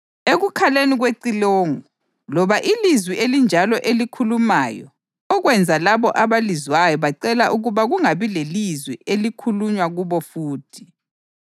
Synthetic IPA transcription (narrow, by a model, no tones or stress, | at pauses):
eɣukʰaleniɣweǀiloːŋu | lɔβaʔilizwiʔelind͡ʒʱalɔʔelikʰulumaːjɔ̰ | ɔɣwɛnd͡zʱalaβɔʔaβalizwajɔβaǀɛlaʔuɣuβaɣuŋaβilelizwiʔelikʰuluɲwaɣuβɔfuːtʰi̥